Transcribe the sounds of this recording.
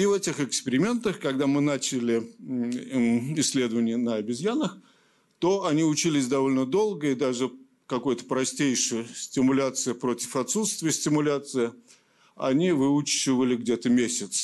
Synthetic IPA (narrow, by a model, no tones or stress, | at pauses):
ivɛtʲɪxɨkspʲɪɾʲɪmʲe̞nt̪əxkɐɡd̪amɨnat͡ɕɪlʲɪ | ɪsʲːlʲe̞d̪əvənʲɪjənəɐbʲɪzʲjanəx | t̪o̞ɐnʲiʊt͡ɕilʲɪsʲd̪ɐvo̞lʲnəd̪o̞lˠɡəɪd̪aʐɨ | kɐko̞jt̪ə̥pɾɐsʲtʲejʂɨjəsʲtʲɪmʊlʲat̪sɨjəpɾo̞tʲɪ̥fɐt̪sut̪st̪vʲɪjəsʲtʲɪmʊlʲat̪sɨɪ | ɐ̰nʲivɨut͡ɕːɪvəlʲɪɡdʲe̞t̪əmʲesʲɪt̪s